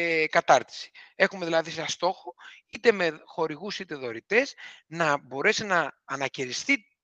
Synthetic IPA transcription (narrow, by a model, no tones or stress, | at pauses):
kɐt̪ɐɾt̪i̥si̥e̞xume̞ðilɐðisɐst̪o̞xoit̪e̞me̞xo̞ɾiɣusit̪e̞ðo̞ɾit̪e̞snɐbo̞ɾe̞sinɐːnɐceɾist̪i